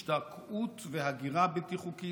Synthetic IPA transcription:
ʃtakʰutveɦaɡiʁabet̪iχuki

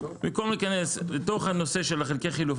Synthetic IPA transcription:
miko̞mlikane̞slet̪o̞χhano̞se̞ʃelaχelkeχiluf

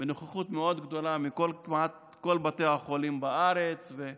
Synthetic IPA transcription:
benuχaχut̪meo̞d̪ɡd̪o̞lamikolkimat̪ | ko̞lbat̪ejhaχolimbaaʁet͡sve

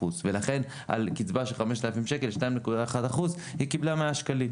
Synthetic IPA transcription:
uzvelaχe̞n | ʔa̰lkit͡sbaʃelχame̞ʃt̪alafimʃe̞ke̞lʃtnaimnekudaaχad̪aχuz | hikiblameaʃkalim

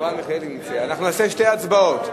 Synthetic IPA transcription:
aneχeleknit͡seanaχnuaseʃtejat͡sbaot̪

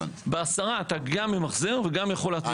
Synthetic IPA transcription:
beasaʁaːt̪aɡamːimaχzeʁveɡamjaχo̞leat͡s

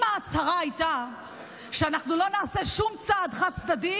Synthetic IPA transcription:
maːt͡shaʁaajta | ʃeanaχnulo̞naːse̞ʃumt͡sad̪χat͡sd̪adi

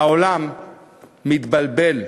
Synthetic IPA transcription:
aolamː | it̪balbe̞l

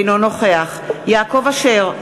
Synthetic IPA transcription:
nono̞χeaχjaːko̞vaʃeʁ

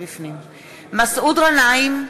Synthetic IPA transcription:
bifnim | masʔud̪ʁanaim

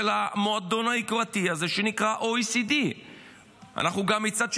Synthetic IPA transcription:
elamo̞ad̪o̞naikʁat̪iazeʃe̞nikʁaʔo̞isid̪i | a̰naχnuɡamːit͡sad̪ʃ

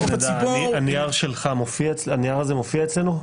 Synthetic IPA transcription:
d̪siuianijaʁʃe̞lχamofiaet͡slanijaʁazemofiaet͡slenu

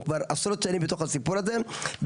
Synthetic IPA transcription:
kvaɾasɾot̪ʃanimbet̪o̞χhasipuɾaze̞b

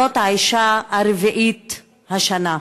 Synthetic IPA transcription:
ot̪haiʃaaɾviʔit̪ | haʃana

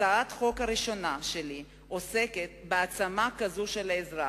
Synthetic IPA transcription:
aat̪χo̞kaɾiʃo̞naʃeli | ʔo̞se̞ket̪̚beat͡samakazuʃe̞laezʁa

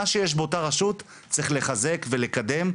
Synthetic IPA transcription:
aʃejeʃ̬beotaʁaʃut | t͡sʁiχle̞χaze̞kve̞le̞kade̞m

